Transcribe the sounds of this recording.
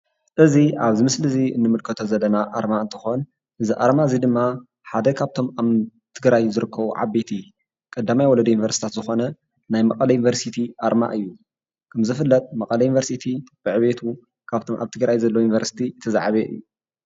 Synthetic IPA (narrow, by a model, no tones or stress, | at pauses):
ʔɨziʔaβzɨmɨslɨziɨ̰nːɨmɨlkʰɐt̪ʰozɐlːɐnaʔaɾmaɨnt̪ʰɨxo̞n | ʔɨziʔaɾmazid̪ɨmːa | ħad̪ɐkʰaβt̪ʰo̞maβ | t̪ʰɨɡɾajzɨɾɨkʰːɐβuʕa̰bet̪ʰi | kʼɐd̪ːamajwɔlɐd̪ɐjunivɐɾsi̥t̪ʰat̪zɨxo̞nɐ | najmɐkʼɐlɐjunvɐɾsit̪ʰiʔaɾma̰ʔɨjːu | kʰɐmzɨfɨlːɐt̪ʼmɐkʼɐlɐjunvɐɾsit̪ʰib̥ɨʕɨβet̪ʰu | kʰaβt̪ʰo̞mʔa̰βt̪ʰɨɡɾajzɐlːojunivɐɾsi̥t̪ʰit̪ʰɐza̰ʕaβeʔɨ̰jːu